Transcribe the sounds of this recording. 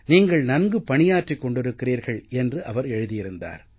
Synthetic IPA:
niːŋɡɐɭnɐnɡɯpɐɳɪjaːʈrɪkːɔɳɖɪɾɯkːɪriːɾɣɐɭɛndrɯʔɐʋɐɾɛɻɯðɪjɪɾɯnd̪a̰ːɾ

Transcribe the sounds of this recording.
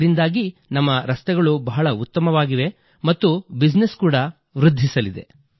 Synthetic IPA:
ɾind̪aːɡinɐmːɐɾɐst̪ɛɡɐɭubɐɦɐɭɐut̪ːɐmɐʋaːɡiʋe̞ | mɐt̪ːubid͡ʒneskuːɽɐ | ʋɾud̪ʱːisɐlid̪e̞̰

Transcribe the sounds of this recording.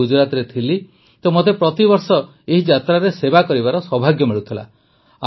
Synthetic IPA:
ud͡ʒuɾat̪ɾet̪ʰili | t̪omot̪epɾɔt̪ibɔɾsɔ | eɦid͡ʒat̪ɾaɾesebakɔɾibaɾɔsɔbʱaɡjɔmiɭut̪ʰila̰

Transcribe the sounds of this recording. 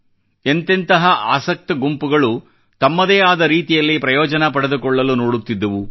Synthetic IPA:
e̞nt̪ent̪ɐɦɐʔaːsɐk̚t̪ɐɡumpuɡɐɭu | t̪ɐmːɐd̪eːaːd̪ɐɾiːt̪ijɐlːipɾɐjɔːd͡ʒɐnɐpɐɽed̪ukɔɭːɐlunoːɽut̪ːid̪ːɐʋu

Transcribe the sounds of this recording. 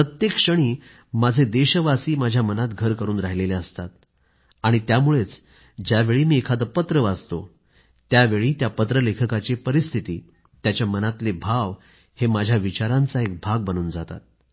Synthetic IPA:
pɾət̪jekʂəɽ̃iː | mad͡zʱed̪eɕəʋasiːmad͡ʑʱjamənat̪ɡʱəɾkəɾuːnɾaɦileleəst̪at̪̚ | aɽ̃it̪jamuɭet͡s | d͡ʑjaʋeɭiːmiːekʰad̪əpət̪ɾəʋad͡zt̪o | t̪jaʋeɭiːt̪japət̪ɾəlekʰəkat͡ɕipəɾist̪ʰit̪iː | t̪jat͡ɕjamənat̪lebʱaʋ | hemad͡ʑʱjaʋit͡ɕaɾãnt͡saek̚bʱaɡ̚bənuːnd͡zat̪a̰t̪̚

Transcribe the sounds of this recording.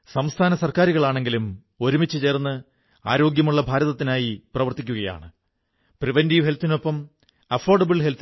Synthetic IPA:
sɐmst̪ʰaːnɐsɐrkaːɾuɣɐɭaːɳe̞ŋɡilum | o̞ɾumit͡ɕːɨt͡ɕe̞ːrnːɨ | a̰ːɾo̞ːɡjɐmuɭːɐbʱaːɾɐðɐt̪ːinaːjiprɐʋɐrt̪ikʲːuɣɐja̰ːɳɨ | priʋendiʋɦelt̪ːino̞pːɐm | ɐfoːrɖɐbɨɭɦelt̪

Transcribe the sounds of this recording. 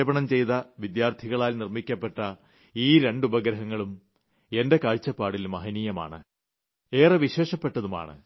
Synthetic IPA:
bɐɳɐmt͡ɕe̞jt̪ɐʋid̪jaːrt̪ʰiɣɐɭaːlnirmikʲːɐpːeʈːɐ | iːɾe̞ɳɖubɐɡɾɐɦɐŋːɐɭum | e̞nde̞kaːɻt͡ɕːɐpːaːɽilmɐɦɐniːjɐma̰ːɳɨ | eːrɐʋiɕe̞ːʂɐpːe̞ʈːɐðuma̰ːɳɨ̰

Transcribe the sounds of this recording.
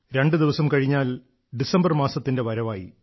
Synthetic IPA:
ɾe̞ɳɖɨd̪iʋɐsɐmkɐɻiɲːaːl | ɖisɐmbɐrmaːsɐt̪ːinde̞ʋɐɾɐʋaːjḭ

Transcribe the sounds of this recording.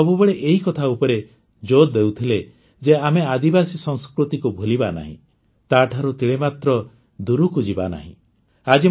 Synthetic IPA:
ɔbubeɭeʔeɦikɔt̪ʰaupɔɾe | d͡ʒod̪ewt̪ʰile | d͡ʒeamead̪ibasisɔŋskɾut̪ikubʱolibana̰ɦḭ̃ | t̪aʈʰaɾut̪iɭemat̪ɾɔ | d̪uɾukud͡ʒiba̰na̰ɦḭ̃ | ad͡ʒi

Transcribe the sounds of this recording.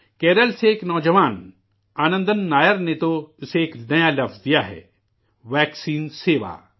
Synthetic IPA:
kɛːɾəlseːknɔːd͡ʒəʋaːn | aːnə̃nd̪ənːaːjəɾnet̪oʊseːknɐjalɐfʰzd̪ijaɦɛ̰ː | ʋɛːksiːnseːʋa̰ː

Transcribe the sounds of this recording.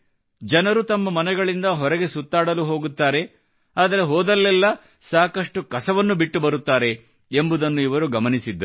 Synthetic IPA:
d͡ʒɐnɐɾut̪ɐmːɐmɐnɛɡɐɭind̪ɐɦɔɾɛɡe̞sut̪ːaːɽɐluɦo̞ːɡut̪ːaːɾe̞ | aːd̪ɐɾe̞ɦɔːd̪ɐlːɛlːɐ | saːkɐʂʈukɐsɐʋɐnːubiʈːubɐɾut̪ːaːɾe̞ | embud̪ɐnːuiʋɐɾuɡɐmɐnisid̪ːɐ

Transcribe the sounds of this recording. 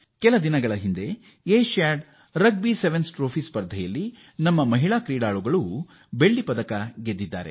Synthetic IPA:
kɛlɐd̪inɐɡɐɭɐɦind̪e̞ | eːʃaːɖ | ɾɐɡ̚biseʋensʈɾoːpʰiːspɐɾd̪ʱɐjɐlːi | nɐmːɐmɐɦiɭaːkɾiːɖaːɭuɡɐɭu | be̞ɭːipɐd̪ɐkɐɡed̪ːid̪ːa̰ːɾe̞̰

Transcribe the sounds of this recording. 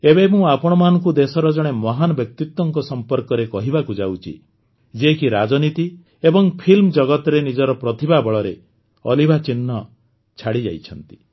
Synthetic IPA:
ebemũapɔɽ̃ɔmanɔŋkud̪esɔɾɔd͡ʒɔɽ̃emɔɦanɔbjɔk̚t̪it̪wɔŋkɔsɔmpɔɾkɔɾekɔɦibakud͡ʒawt͡ʃʰḭ | d͡ʒekiɾad͡ʒɔnit̪i | ebɔŋpʰilmɔd͡ʒɔɡɔt̪ɔɾenid͡ʒɔɾɔpɾɔt̪ʰibabɔɭɔɾe | ɔ̰libat͡ʃinːɔ | t͡ʃʰaɽid͡ʒa̰jt͡ʃʰɔnt̪i̥

